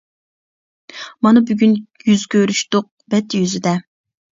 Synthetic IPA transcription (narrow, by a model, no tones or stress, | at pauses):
mɑnɨbyɡʲynjyzkʲʰøɾyʃt̪ʊq̚bɛt̪ʰːjyzɪd̪ɛ